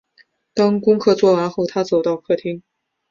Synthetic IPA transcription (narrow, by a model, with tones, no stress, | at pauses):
t̪ɑ˥ŋkʊ˥ŋkʰɤ˥˧t͡swɔ˥˩wa˧˥xo˥˩ʊt̪ʰa˥t͡so˨˩ʊt̪ɑ˥˧ʊkʰɤ˥˩t̪ʰi˥ŋ